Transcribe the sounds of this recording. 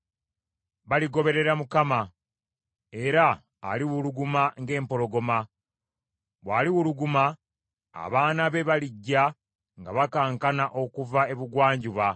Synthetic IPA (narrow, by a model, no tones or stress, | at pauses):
βaliɡo̞βe̞ɾe̞ɾamukama | e̞ɾa̰ː | liwuluɡumaŋɡe̞ːmpo̞lo̞ɡo̞ma | βwaːliwuluɡuma̰ː | βaːnaβe̞βaliɟːa | ŋɡaβakaːŋkanaʔo̞kuvae̞βuɡwaːɲɟuβa